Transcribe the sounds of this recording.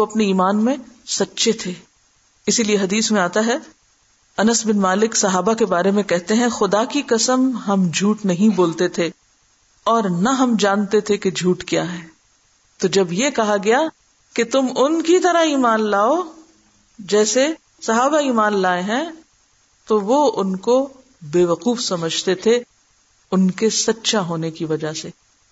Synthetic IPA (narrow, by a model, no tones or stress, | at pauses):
oɐpneiːmaːnmẽsɐtːʃet̪ʰeː | ɪsilieɦɐd̪iːsmẽaːt̪aɦɛ | ɐnəsbɪnmaːlɪksɐɦaːbakebaːɾemẽkɛɦt̪eɦɛ̃xʊd̪akikɐsəmɦɐmd͡ʒʱuːʈnɐɦĩboːlt̪et̪ʰe | ɔːɾnɐɦɐmd͡ʒaːnt̪et̪ʰeked͡ʒʱuːʈkijaːɦɛ̃ː | t̪od͡ʒɐbjekɐɦaɡɐja | ket̪ʊmʊnkit̪ɐɾaiːmaːnlaːo | d͡ʒɛːse | sɐɦaːbaiːmaːnlaːeɦɛ̃ | t̪oʋoʊnko | beːʋɐquːfsɐməd͡ʒʱt̪et̪ʰe | ʊnkesɐtːʃaɦoːnekiʋɐd͡ʒaseː